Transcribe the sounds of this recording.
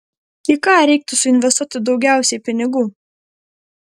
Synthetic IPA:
ɪkɑːɾʲɛˑɪk̚t̪ʊsʊɪnʲʋʲɛst̪uɔt̪ʲɪd̪ɒʊɡʲæˑʊsʲɛɪpʲɪnʲɪɡuː

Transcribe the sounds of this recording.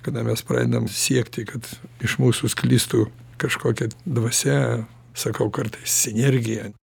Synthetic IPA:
kɐd̪ɐmʲɛspɾɑ̰ːd̪ʲɪnɐmsʲiɛkt̪ʲɪkɐt̪ɪʃmuːsʊsklʲiːst̪u | kɐʃkoːkʲɛd̪ʋɐsʲɛ | sɐkɐʊkɐrt̪ɐɪssʲɪnʲɛɾʲɡʲɪjɛ

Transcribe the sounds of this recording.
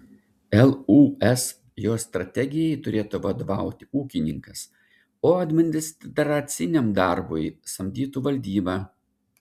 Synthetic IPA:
ɛlˠuːɛs | joːst̪ɾɐt̪ʲɛɡʲɪjɛjt̪ʊɾʲeːt̪uʋɐd̪ɐʋɑˑʊt̪ʲɪuːkʲɪnʲɪŋkɐs | oːɐd̪ʲmʲɪnʲd̪ʲɪst̪ʲd̪ʲɛɾɐt̪sʲɪnʲɛmd̪ɑˑɾbʊ̰jsɐmʲd̪ʲiːt̪uːʋɐlʲd̪ʲiːbɑː

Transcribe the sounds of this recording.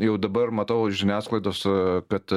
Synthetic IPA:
jɛʊd̪ɐbɐrmɐt̪ɐʊʒʲɪnʲæːsklˠɐɪd̪oːskɐt̪

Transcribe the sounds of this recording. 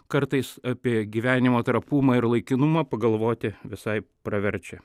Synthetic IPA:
kɐɾt̪ɐɪsɑpʲiɛɡʲiːʋʲæːnʲɪmoːt̪ɾɐpuːmɐːɪɾlˠɐɪkʲɪnʊmɐːpɐɡɐlˠʋoːt̪ʲɪʋʲɪsɐɪpɾɐʋʲɛɾʲt͡ʃʲɛ

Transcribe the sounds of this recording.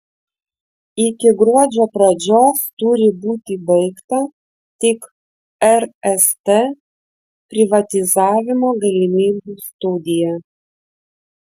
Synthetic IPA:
ɪkʲɪɡɾuɔd͡ʒʲopɾɐd͡ʒʲoːst̪uɾʲɪbuːt̪ʲibɛɪkt̪ɐ | t̪ʲɪk | ɛɾɛst̪e | pʲɾʲɪʋɐt̪ʲɪzɑːʋʲɪmoɡɐlʲimʲiːbust̪ud̪ʲɪjɛ

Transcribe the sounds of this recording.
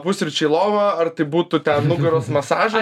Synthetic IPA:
pʊsʲɾʲʊt͡ʃʲɛɪlˠoːʋɐɐrt̪ɐɪbuːt̪ʊt̪ʲɛnnʊɡɐɾoːsmɐsɑːʒɐ

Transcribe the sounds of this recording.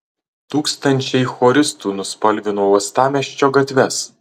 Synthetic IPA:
t̪uːkst̪ɐnʲt͡ʃʲɛɪxɔːɾʲɪst̪uːnʊspɐlʲʋʲɪnuɔɔst̪ɑːmʲɛʃʲt͡ʃʲoːɡɐt̪ʲʋʲɛs

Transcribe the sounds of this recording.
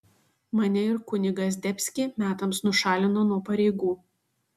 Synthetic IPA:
mɐnʲɛɪɾkʊnʲɪɡɐs̬ʲd̪ʲɛpʲsʲkʲɪmʲæːt̪ɐmsnʊʃɑːlʲɪnoːnuɔpɐɾʲɛɪɡuː

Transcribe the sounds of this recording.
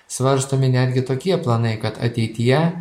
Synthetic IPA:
sʋɐɾst̪oːmʲɪnʲæːd̪ʲɡʲɪt̪oːkʲiɛplˠɐnɐɪkɐt̪ɐ̰t̪ʲɛɪt̪ʲɪjɛ

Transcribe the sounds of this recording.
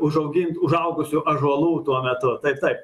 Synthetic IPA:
ʊʒɐʊɡʲɪnt̪ʊʒɐʊɡʊsʲʊʔɐʒɐlˠuːt̪uɔmʲɛt̪ʊt̪ɐɪpt̪ɐɪp

